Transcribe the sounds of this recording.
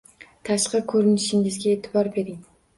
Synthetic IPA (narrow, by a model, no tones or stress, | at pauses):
t̪ʰaʃqɑkʰɵɾɪnɪʃɪŋɪzɡʲaet̪ʰɪbɒɾbe̞ɾɪŋ